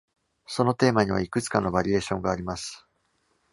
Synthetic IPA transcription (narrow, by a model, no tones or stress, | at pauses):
so̞no̞t̪e̞ːmaɲ̟iβ̞a̰ikɯ̟t͡sɨ̥kano̞baɾʲie̞ːɕõ̞ŋɡaːɾʲimasɨ̥